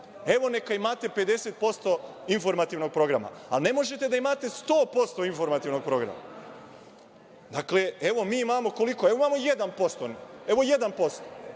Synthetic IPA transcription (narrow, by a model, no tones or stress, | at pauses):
e̞ʋo̞ne̞kaimat̪e̞pe̞d̪e̞set̪̚po̞st̪o̞ | info̞ɾmat̪iʋno̞ɡ̚pɾo̞ɡɾama̰a̰lne̞mo̞ʒet̪e̞d̪aimat̪e̞st̪o̞ːpo̞st̪o̞info̞ɾmat̪iʋno̞ɡ̚pɾo̞ɡɾa̰ma̰ | d̪akleeʋo̞miːimamo̞ko̞liko̞e̞ʋoimaːmo̞jed̪anpo̞st̪one̞ʋo̞je̞d̪anpo̞st̪o